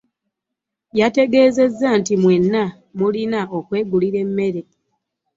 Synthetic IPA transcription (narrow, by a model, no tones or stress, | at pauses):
jate̞ɡe̞ːze̞zːantimwe̞nːa | mulinaʔo̞kwe̞ːɡuliɾe̞mːe̞ɾe